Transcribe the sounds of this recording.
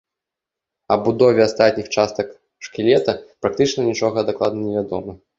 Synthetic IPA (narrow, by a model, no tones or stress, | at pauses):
ɐ̰bud̪ɔvʲɛast̪at̪̚ʲnʲixt͡ʂast̪ɐk | ʂkʲilʲɛt̪ɐpɾak̚t̪ɨt͡ʂnɐnʲit͡ʂɔɣɐɐd̪ɐklˠad̪nɐnʲɛvʲad̪ɔmɐ